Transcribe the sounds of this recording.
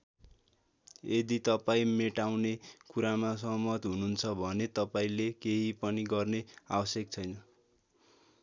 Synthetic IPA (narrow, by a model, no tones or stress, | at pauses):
ed̪it̪ʌpaĩmeʈawnekuɾamasʌɦmʌt̪ɦununt͡sʰʌbʱʌnet̪ʌpaĩlekeɦipʌniɡʌrnea̰bʌsjekt͡sʰʌjnʌ